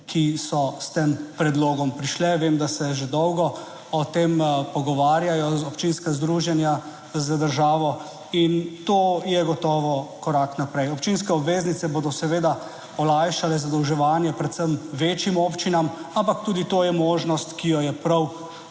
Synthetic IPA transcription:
kʰisɔst̪eːmpɾɛd̪loːɡɔmpɾiʃlɛʋeːmd̪asɛʒed̪ɔwɡɔ | ɔt̪eːmpɔɡɔʋaːɾjajɔzɔpt͡ʃinskazd̪ɾuːʒjɛnja | zəd̪əɾʒaːʋɔ | int̪oːjɛɡɔt̪ɔːʋɔkɔɾaknapɾɛjɔpt͡ʃinskɛɔbʋeːznit̪sɛboːd̪ɔsɛʋeːd̪a | ɔlajʃalɛzad̪ɔwʒɛʋaːnjɛpɾɛt̪səmʋeːt͡ʃjimoːpt͡ʃinamampak̚t̪uːd̪it̪oːjɛmoːʒnɔst̪kijɔjɛpɾaw

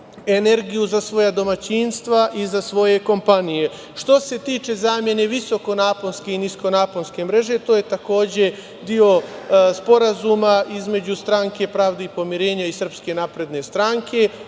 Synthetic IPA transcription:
e̞ne̞ɾɡijuzasʋo̞jad̪o̞mat͡ɕinst̪ʋaʔizasʋo̞je̞ko̞mpanije̞ | ʃt̪o̞se̞t̪iːt͡ʃe̞zaːmje̞ne̞ʋiso̞ko̞naːpolske̞inisko̞naːpolske̞mɾe̞ʒe̞t̪o̞ːje̞t̪ako̞ːd͡ʑe̞ | d̪io̞spo̞ɾazumaʔizme̞d͡ʑust̪ɾaŋke̞pɾaːʋd̪eipo̞miɾe̞ːɲaisr̩pske̞napɾe̞d̪ne̞st̪ɾaŋkʰe̞

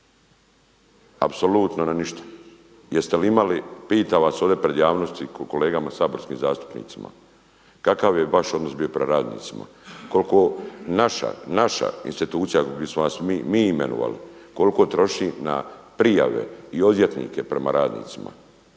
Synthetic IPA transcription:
apso̞luːt̪nonaniʃt̪ḁ | jest̪eliimalipiːt̪aːʋaso̞ʋd̪epɾe̞d̪jaːʋno̞st̪iko̞leːɡamasaːbo̞ɾskiːmzaːst̪u̥pnḭːt̪sima̰ | kakaʋjeʋaʃo̞d̪no̞sbio̞pɾemaɾaːd̪nḭːt̪sima̰ | ko̞lkonaʃa̰naʃa̰ḭnst̪it̪uːt̪sijaɡd̪esmonasmimiːimḛno̰ʋa̰lḭko̞liko̞t̪ɾo̞ʃina̰pɾija̰ʋe̞̰io̞d̪jet̪nḭːke̞pɾe̞maɾaːd̪nḭːt̪sima̰

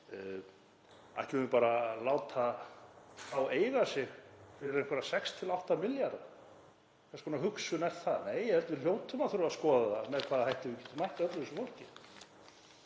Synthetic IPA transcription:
a̰hcɪʏʏpaːɾalaːwt̪ʰa | θaweːjɣasjɛɣfɪɾɪɾejŋkvɛɾasɛkst̪ʰɪlawht̪amɪljaɾð | kʰaskʰɔːnaɦʏksʏnɛr̥t̪θaðneːjɛhɛlt̪vɪljoːwt̪ʏmaðθʏɾʏvaskɔːðaðamɛðkʰvaːðahajht̪ɪvʏcɛ̥t̪ʏmajht̪aœt̪lʏɪsʏfol̥cɪ

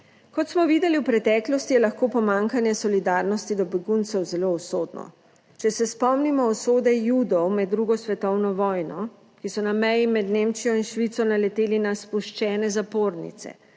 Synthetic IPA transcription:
kɔt̪smɔʋiːd̪ɛliwpɾɛt̪ɛːklɔst̪ijɛlaxkoːpɔmãːŋkanjɛsɔlid̪aɾnɔst̪id̪ɔbɛɡunt̪sɛwzɛloɔsoːd̪nɔ̰ | t͡ʃɛsɛspɔmnimɔːsoːd̪ɛjuːd̪ɔwmɛd̪̚ːɾuːɡɔsʋɛt̪ɔwnɔʋɔːjnɔ | kisɔnamɛjimɛd̪nemt͡ʃijɔinʃʋit̪sɔnalɛt̪eːlinaspuʃt͡ʃɛːnɛzapoːɾnḭt̪sɛ̰

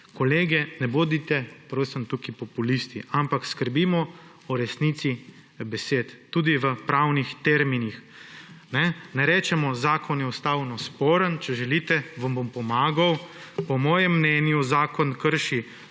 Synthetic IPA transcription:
kɔleːɡɛnɛboːd̪it̪ɛpɾosəmt̪ukipɔpulist̪iampakskəɾbimɔ | ɔɾɛsnit̪si | bɛseːt̪ːuːd̪iʋəpɾawnixt̪ɛɾminix | nɛnɛɾɛːt͡ʃɛmɔzaːkʰɔnjɛɔst̪aːwnɔspoːɾənt͡ʃɛʒɛlit̪ɛʋambompɔmaːɡawpɔmɔːjɛmːnɛnjuzaːkɔnkəɾʃi

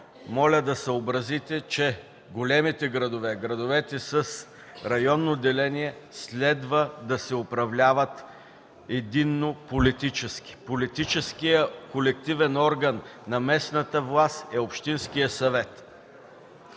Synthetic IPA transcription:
mɔlʲəd̪ɐsəobɾɐzit̪ɛt͡ʃɛ | ɡolʲɛmit̪ɛɡɾɐd̪ovɛɡɾɐd̪ʊvɛt̪ɛsəs | ɾɐjɔnːod̪ɛlɛniɛslʲɛd̪vəd̪ɐsɛʊpɾɐvlʲavət̪ | ɛd̪inːopolit̪it͡ʃɛski̥polit̪it͡ʃɛskijəkolɛk̚t̪ivɛnɔɾɡənːɐmɛsnɐt̪əvlˠast̪ɛopʃt̪inskijəsɐvɛt̪

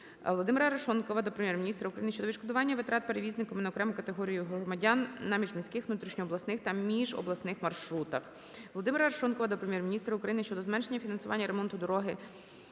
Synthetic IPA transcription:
ʋɔlˠɔd̪ɪmɪɾɐɾɐʃɔnkɔʋɐd̪ɔpɾemʲjɛrmʲinʲist̪ɾɐʊkɾɐjinɪʃt͡ʃɔd̪ɔʋiʃkɔd̪ʊʋɑnʲːɐʋɪt̪ɾɑt̪̚peɾeʋʲiznɪkɔmɪnɐɔkɾɛmʊkɐt̪eɦɔɾʲijʊɦɾɔmɐdʲɑnnɑmʲiʒmʲisʲkɪxʋnut̪ɾʲiʃnʲɔːblˠɐsnɪxt̪ɐmʲiʒɔ̰blˠɐsnɪxmɐrʃɾut̪ɐx | ʋlˠɔd̪ɪmɪɾɐɐɾɐʃɔnkɔʋɐd̪ɔpɾemʲjɛrmʲinʲist̪ɾɐʊkɾɐjinɪʃt͡ʃɔd̪ɔzmɛnʃenʲːɐfʲinɐnsʊʋɑ̰nʲːɐɾemɔnt̪ʊd̪ɔɾɔɦɪ

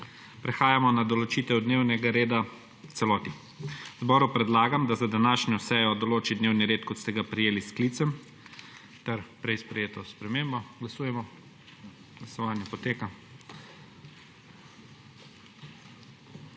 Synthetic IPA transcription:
pɾɛxaːjamɔnad̪ɔlɔt͡ʃiːt̪ɛwd̪neːwnɛɡaɾeːd̪a | wt̪sɛlɔːt̪i | zbɔːɾupɾɛd̪laːɡamd̪azad̪anaːʃnɔsɛjɔd̪ɔloːt͡ʃid̪neːwniɾeːt̪kɔt̪st̪ɛɡapɾijeːlisklit̪sɛm | t̪ɛɾpɾɛjspɾɛjeːt̪ɔspɾɛmeːmbɔɡlasuːjɛmɔ | ɡ̥lasɔʋaːnjɛpɔt̪eːka

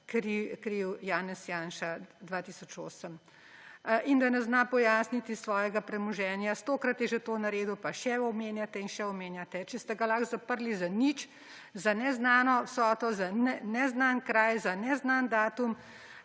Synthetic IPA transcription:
kɾikɾiwjaːnɛsjaːnʃad̪ʋaːt̪iːsɔt͡ʃoːsəm | ʔind̪anɛznapɔjaːsnit̪isʋɔːjɛɡapɾɛmɔʒɛːnjast̪oːkɾat̪jɛʒet̪oːnaɾeːd̪upaʃɛɔmeːnjat̪ɛinʃɛɔmeːnjat̪ɛt͡ʃɛst̪ɛɡalaxzapəɾlizanit͡ʃ | zanɛznaːnɔwsɔːt̪ɔzanɛnɛznankɾajzanɛznand̪aːt̪um

